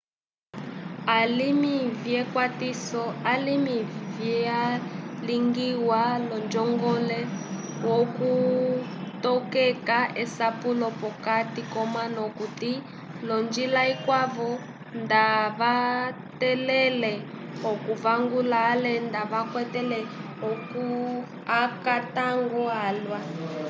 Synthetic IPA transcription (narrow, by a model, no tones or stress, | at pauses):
alimivjɛkwatisɔalimivjɛaliŋɡiwalɔnd͡ʒɔŋɡɔlɛ | woku | tɔkɛkaʔɛsapulɔpɔkatikɔmanɔkuti | lɔnd͡ʒilaikwaβɔ | ndaβa | tɛlɛlɛ | ɦɔkuvaŋɡulaːlɛndaβakwɛtɛlɛɦɔku | akataŋɡɔaːlwa